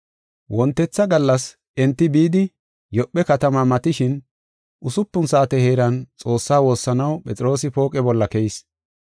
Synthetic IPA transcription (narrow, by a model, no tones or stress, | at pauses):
wʔɔnt̪ːɛt͡sːɐɡɐlːɐs | ʔɛnt̪ːɪbiːd̪ɪ | jɔpːɛkɐt̪ɐmamɐt̪ɪʃɪn | ʔʊsʊpːʊnsaːt̪ɛhe̞ːɾɐnt͡sʼo̞ːsːaːwo̞ːsːɐnɐwpʼɛt͡sʼɪɾo̞ːsɪpo̞ːkʼɛbɔlːɐkɛɪs